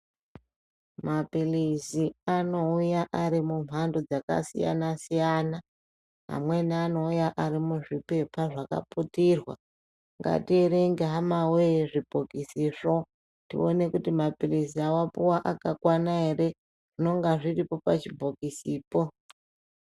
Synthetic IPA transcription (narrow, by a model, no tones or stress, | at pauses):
mapiliziano̞ujaʔaɾimum̤ʱandod͡zaka̰sḭja̰nasijana | ɦa̰mwe̞niano̞ujaʔaɾimuʐipe̞pʰaʐaka̰putirwa̰ | ŋɡa̰tieɾeŋɡeɦamaweʐib̥ʱokisiːʂo̞ | tḭo̞ne̞kutimapilisiawapuwaʔakakwanaɦe̞re̞ | ʐ̥ino̞ŋɡaʐiripo̞pat͡ʃibʱokisiːpo̞